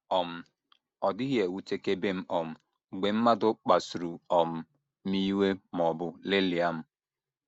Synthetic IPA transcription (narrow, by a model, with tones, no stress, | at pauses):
ɔ˨m̩˦ | ɔ˨dɪ˦ɦje˨wu˦te˦ke˦be˦m̩˦ʔɔ˨m̩˨ | ɡ͡be˨m̩˦ma˦dʊ˦k͡pa˨su˨ɾu˨ɔ˨m̩˦ | m̩˦i˦we˦m˨ɔ˨bʊ˦le˦li˨a˦m̩˦